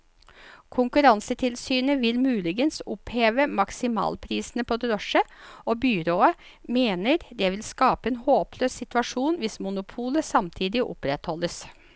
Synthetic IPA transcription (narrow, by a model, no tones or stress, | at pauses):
kʰʊŋkʉɾɑnsət̪ʰɪlsyːnəʋɪlmʉːlɪɡənsʊpheːʋəmɑksɪmɑ̰ːlpʰɾiːsn̩əpʰɔd̪ɾɔʂəoːbyɾoːə | meːnəɾd̪ɛʋɪlskɑːpəeːnhoːpʰløːssɪt̪ʋɑʂuːnʋɪsmʊnʊpʰuːləsɑmt̪ʰiːd̪ɪʔʊ̰pɾɛt̪hɔlːəs